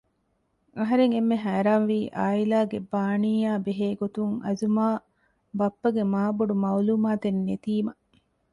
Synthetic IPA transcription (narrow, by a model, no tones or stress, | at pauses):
ɐɦɐɾeŋemːeɦæːɾaːnʋiːʔa̰ːilaːɡebaːniːjaːbeɦeːɡot̪uŋɐ̰zumaː | bɐpːɐɡemaːbuɖumɐwluːmaːt̪enːet̪iːmɐ